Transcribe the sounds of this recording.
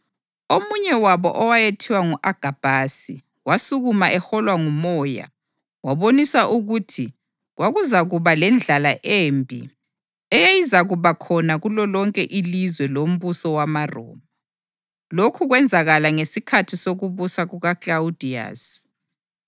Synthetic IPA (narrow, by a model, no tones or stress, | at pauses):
omuɲɛwaβɔ̰ʔɔwajetʰiwaŋuʔaɡ̥ʱab̥ʱasi | wasuɣumaʔɛxɔlwaŋumɔja̰ | waβonisaʔuɣutʰi | ɣwaɣuzaɣuβalɛnd͡ɮʱalaʔembʱḭ | ɛjejizaɣuβakʰɔnaɣulɔlɔŋkʼɛʔilizwɛlom̩βusɔwamarɔ̰ːma | lokʰuɣwɛnd͡zʱaɣalaŋesikʰatʰisoɣuβusaɣuɣaklaud̥ʱia̰ːs